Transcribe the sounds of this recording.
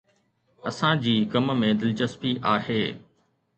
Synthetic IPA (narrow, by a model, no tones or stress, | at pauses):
ɐsãd͡ʑiːkɐmmẽd̪ɪlt͡ɕəspiʔaːɦeː